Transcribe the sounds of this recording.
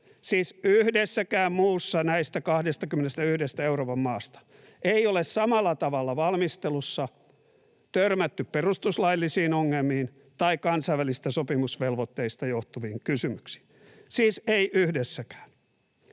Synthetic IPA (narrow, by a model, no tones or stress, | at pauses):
siːsyhdesːækæːmmuːsːɑnæist̪ækɑhdest̪ɑkymːenest̪æyhdest̪æeuroːpɑmmɑːst̪ɑ̥ | eiolessɑmɑlːˑɑt̪ɑʋɑlːɑʋɑlmist̪elusːɑ | t̪ørmæt̪ːypperust̪uslɑilːisiːnoŋːelmihin | t̪ɑikkɑnsɑiʋælisi̥st̪æsopimusʋelʋot̪ːeist̪ɑjoht̪uʋiːŋkysymyksi̥ːn | siːseiʔyhdesːækæ̥ːn